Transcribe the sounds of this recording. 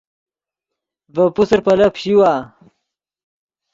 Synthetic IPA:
vɐpusɾpɐlɐpɕiwaː

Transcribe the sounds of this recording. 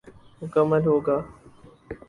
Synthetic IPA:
mʊkəmːəlɦoːɡaː

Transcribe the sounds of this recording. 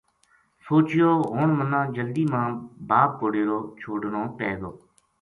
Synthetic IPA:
soːt͡ʃɪjoːɦoːɳmənːãːd͡ʒəld̪iːmãːbaːb̚koɽeːɾoːt͡ʃʰoːɖnõːpɛːɡ̪oː

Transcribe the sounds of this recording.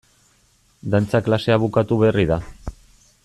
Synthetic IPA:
d̪ant͡saklase̞aβukat̪uβe̞riða

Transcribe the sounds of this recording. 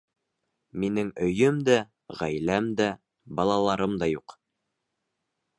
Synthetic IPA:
minɘŋɵ̆jɵmd̪æ | ʁæjlæmd̪æ | bɑlˠɑlˠɑɾɤmd̪ɑjuq

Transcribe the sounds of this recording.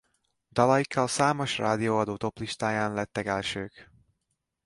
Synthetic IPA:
d̪̥ɒlɒjikːɒlsaːmo̞ʃra̰ːd̪ioːɒd̪oːt̪o̞pliʃt̪aːjaːnlɛt̪ːɛkɛlʃøːk

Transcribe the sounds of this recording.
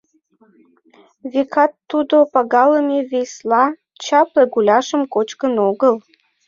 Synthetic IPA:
vekɑt̪ːud̪opɑɣɑləmevejslɑ | t͡ɕɑpleɡulʲɑʃəmkot͡ɕkənoɣəl

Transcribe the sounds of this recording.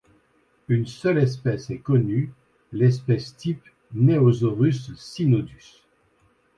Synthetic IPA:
ynsœlɛs̬pɛsɛkɔny | lɛspɛst̪ip | neozoʁysːinod̪ys

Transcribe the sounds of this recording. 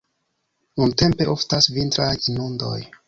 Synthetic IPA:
nunte̞mpe̞ʔo̞ftasvintɾajinundo̞̰j

